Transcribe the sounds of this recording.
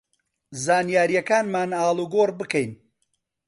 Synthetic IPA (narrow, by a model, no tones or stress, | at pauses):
zaːnjaːɾijɐkaːnmaːnaːlˠuːɡoːɾbɨkɛjn